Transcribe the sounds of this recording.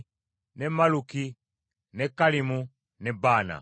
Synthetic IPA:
nɛmaluki | nɛkalimu | nɛbana̰

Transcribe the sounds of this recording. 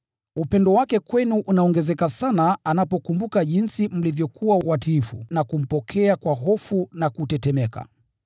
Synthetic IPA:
upɛndɔwakɛkwɛnuʔunaɔŋɡɛzɛkasanaanapɔkumbukaʄinsim̩livjɔkʰuwawatiːfṵnakum̩pɔkʰɛakwaɦɔfunakutɛtɛmɛka̰

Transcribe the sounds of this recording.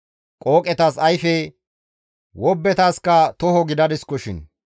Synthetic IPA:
kʼoːkʼɛt̪asɐjfɛ | wɔbːɛt̪aːskːɐt̪ɔhɔɡɪd̪ɐd̪ɪskːɔʃɪn

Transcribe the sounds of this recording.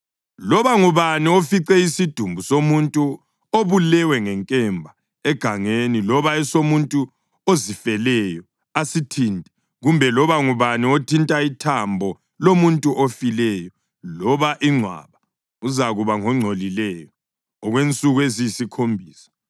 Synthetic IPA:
lɔβaŋuβaniofiǀɛisid̥ʱumbʱusomuntʼu | oβulɛwɛŋɛŋkʼɛmbʱa | ɛɡ̥ʱaŋenilɔβaɛsomuntʼu | ozifɛlɛjɔ | asitʰintʼɛ̥ | ɣumbʱɛlɔβaŋuβaniotʰintʼaitʰambʱɔ | lomuntʼuʔofilɛːjɔ | lɔβaʔiŋ͡ǀʱwa̰βa | uzaɣuβaŋɔŋ͡ǀʱolilɛjɔː | ɣwent͡sʼuɣuezijisikʰombʱiːsḁ

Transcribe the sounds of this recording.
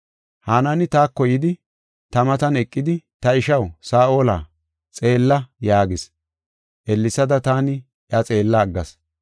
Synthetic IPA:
haːnɐnɪt̪aːkːɔjɪd̪ɪ | t̪ɐmɐt̪ɐnɛkʼːɪd̪ɪt̪ɐɪʃɐwsaːʔo̞ːla̰ː | t͡sʼe̞ːlːɐjaːɡɪs | ʔɛlːɪsɐd̪ɐt̪aːnɪ | ʔɐt͡sʼe̞ːlːɐːɡːɐ̰s

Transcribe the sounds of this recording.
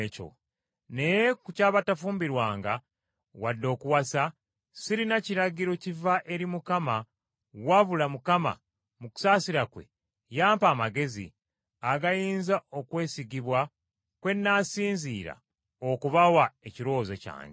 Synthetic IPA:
co̰ | ne̞jekucaːβatafuːmbiɾwaːŋɡa | wadːo̞ːkuwasa | siɾinaciɾaɡiɾo̞civaʔe̞ɾimukama | waβulamukama̰ | muku̥saːsiɾakwe̞̰ | jaːmpaːmaɡe̞zḭ | aɡajiːnzao̞kwe̞ːsiɡiβwa | kwe̞nːasiːnziːɾa̰ | okuβawaeciɾo̞ːzeca̰ːɲɟ

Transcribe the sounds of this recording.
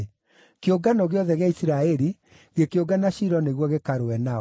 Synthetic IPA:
keoɡanɔɣeɔðɛɣeaisiɾaɛɾi | ɣekeoɡanaɕiɾɔneɣwɔɣekaɾowɛna

